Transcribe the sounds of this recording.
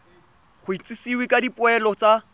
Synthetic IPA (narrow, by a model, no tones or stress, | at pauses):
χʊit͡sʼɪsiwɪkadipʼʊɛlɔt͡sa